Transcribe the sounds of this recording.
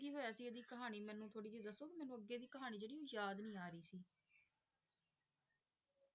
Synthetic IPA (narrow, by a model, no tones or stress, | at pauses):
ɡiːɦoːjaːsiːed̪iːkəɦaːniːmɛ̃ːnũːt̪ʰoːɽiːd͡ʒeːd̪əsoːkɪmɛːnũːəɡːeːd̪iːkəɦaːñiːd͡ʒeːɽiːõːjaːd̪nĩːaːɾəiːsiː